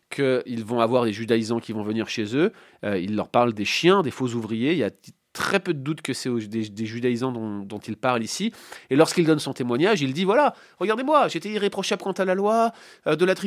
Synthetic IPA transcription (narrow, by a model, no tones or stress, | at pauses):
kʰəilvɔ̃avwaʁd̪eʒyd̪aizɑ̃kʲivɔ̃vəniʁʃezø | øilːœ̰ʁpaʁld̪eʃjɛ̃d̪efozuvʁijeilja̰t̪χɛpød̪əd̪ut̪kəsɛod̪ed̪eʒyd̪aizɑ̃d̪ɔ̃d̪ɔ̃t̪ilpaʁlisielɔʁskild̪ɔnsɔ̃t̪emwaɲaʒild̪ivwala | ʁəɡaʁd̪emwaʒet̪eiʁepχɔʃablkɑ̃t̪alalwa | ød̪əlat̪χi